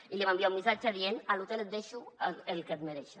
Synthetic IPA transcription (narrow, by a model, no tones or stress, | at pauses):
iliβambiaumisat͡ʃaðienalut̪elet̪̚d̪eʃuelket̪meɾɛʃa